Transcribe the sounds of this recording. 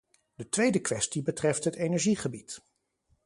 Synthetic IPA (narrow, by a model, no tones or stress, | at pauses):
dətʋejdəkʋɛstibətrɛftɦətejnɛɹʒiχəbit